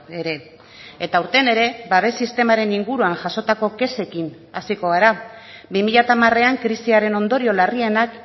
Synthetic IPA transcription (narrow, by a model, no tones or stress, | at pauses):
eɾe̞ | et̪auɾt̪e̞ne̞ɾe̞baβ̞e̞sist̪e̞maɾe̞niŋɡuɾuaŋʝaso̞t̪ako̞ke̞se̞kin | asiko̞ɣ̞aɾa | bimiʎat̪amare̞aŋkɾisiaɾe̞no̞nd̪o̞ɾio̞larie̞nak